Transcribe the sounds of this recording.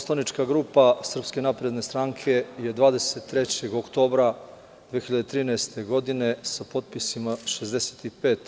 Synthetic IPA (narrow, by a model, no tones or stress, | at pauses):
oslˠanit͡ʃkaɡɾupasr̩pske̞napɾe̞d̪ne̞st̪ɾaŋkʰe̞je̞d̪ʋaːd̪e̞set̪ːɾet͡ɕeɡokt̪o̞ːbɾa | d̪ʋexiʎad̪et̪ɾiːnɛest̪e̞ɡo̞d̪ine̞sapo̞t̪̚pisimaʃezd̪ese̥t̪ipe̞ːt̪